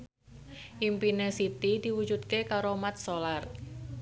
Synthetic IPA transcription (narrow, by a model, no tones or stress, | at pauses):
ʔimpinesit̪id̪̥iwu̥d͡ʒud̪̚kekaɾomat̪̚solar